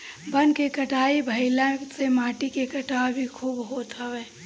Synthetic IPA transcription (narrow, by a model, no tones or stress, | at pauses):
bənkekəʈaːibʱəɪlãsemaːʈikekəʈabʱikʰuːbɦoːt̪ɦəweː